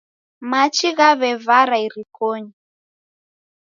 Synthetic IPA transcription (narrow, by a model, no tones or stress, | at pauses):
mat͡ʃiɣaβɛvaɾaiɾikɔɲi